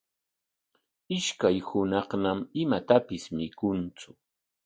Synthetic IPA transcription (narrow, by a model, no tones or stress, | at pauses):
ɪʃkajhʊnɑχnamɪmat̪apɪsmɪkʊnt͡sʊ